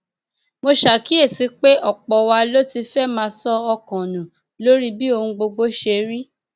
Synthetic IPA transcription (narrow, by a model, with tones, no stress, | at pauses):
mo˧ʃa˨ki˨˦e˦˨ti˨˦k͡pe˦ʔɔ˦˨k͡pɔ˨wa˧lo˦ti˧fɛ˦mãː˧sɔ˦ɔ˧kɔ̃˨nũ˨ | lo˦ɾi˦bi˦o˧ũ˧ɡ͡bo˧ɡ͡bo˦ʃe˧ɾi˦